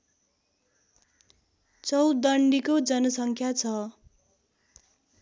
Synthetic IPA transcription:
t͡sʌwd̪ʌɳɖikod͡zʌnʌsʌŋkʰjat͡sʰʌ

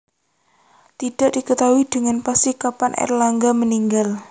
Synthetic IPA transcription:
t̪id̥a̤ʔd̥ikət̪awid̥əŋanpast̪ikapanʔɛ̰rlaŋɡaməniŋɡal

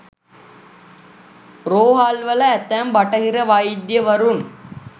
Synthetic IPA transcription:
ɾoːɦaːlʋɐlɐːt̪ːæːmbɐʈɐɦiɾɐʋajd̪jɐʋɐɾun

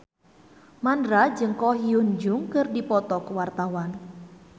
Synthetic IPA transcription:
manɾad͡ʒɨŋkɔɦiund͡ʒʊŋkɨrdipɔt̪ɔkwart̪awan

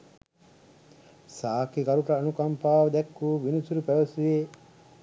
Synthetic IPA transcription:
saːkikɐɾuʈɐːnukampaːʋɐd̪ɛkːuːʋinusuɾupæʋɐsuʋeː

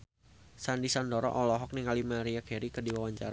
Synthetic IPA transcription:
sandisandɔɾɔ̰ʔɔlɔɦɔk̚niŋalimaɾiakɛɾikərdiwawaɲt͡ʃa̰ɾa

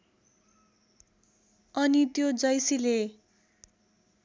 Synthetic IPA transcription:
ʌnit̪jod͡zʌjsile

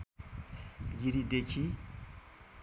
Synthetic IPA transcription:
ɡiɾid̪ekʰi

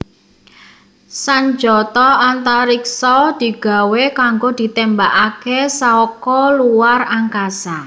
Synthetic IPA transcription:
saɲd͡ʒɔt̪ɔant̪aɾiksɔd̪̥i̤ɡ̥a̤wekaŋɡod̪̥i̤t̪ɛmbaʔakesaɔkɔluwaraŋkasa

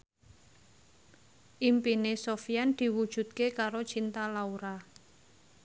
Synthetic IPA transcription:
ʔimpinesofijand̪̥i̤wud̥ʒ̥ṳt̪̚kekaɾot͡ʃint̪alauɾa

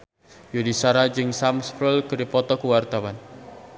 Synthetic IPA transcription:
jodisaɾad͡ʒɨŋsamspɛlkəɾipɔt̪ɔkuwart̪awan

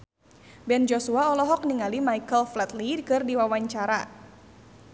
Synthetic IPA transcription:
bɛnd͡ʒosuaɔlɔɦɔk̚niŋalimaikəlflɛt̪lidkɨrdiwawaɲt͡ʃaɾa

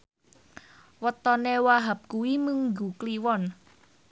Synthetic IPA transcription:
wət̪ɔnewaɦap̚kuwiməŋɡṳkliwɔn

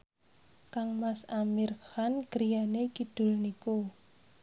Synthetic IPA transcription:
kaŋmasamirxanɡ̥əɾijanekid̪̥ʊ̤lniku

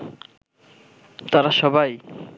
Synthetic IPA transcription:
t̪aɾaʃɔbʱaj

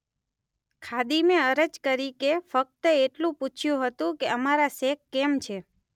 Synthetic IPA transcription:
kʰad̪imeəɾəd͡ʒkəɾikefək̚t̪əeʈlũput͡ʃʰjũɦət̪ũkeəmaɾasekːemt͡ʃʰe

